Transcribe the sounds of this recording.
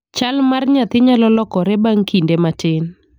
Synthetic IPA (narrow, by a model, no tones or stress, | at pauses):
t͡ʃalmarɲat̪ɪɲalɔlɔkɔɾɛbaŋkindematɪn